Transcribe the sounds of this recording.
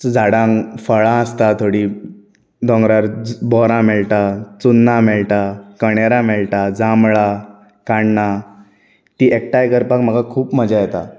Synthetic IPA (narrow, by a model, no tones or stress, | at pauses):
d͡zʱaɽãŋfəɭãəst̪at̪ʰoɽi | d̪ɔ̃ŋɡɾaɾbɔɾãmɛɭʈat͡sunːamɛɭʈakəɽ̃eɾãmɛɭʈad͡zamɭa | kaɳɳa | t̪iːʔek̚ʈajkəɾpakm̤əɡakʰuːpm̤əd͡ʑajɛt̪a̰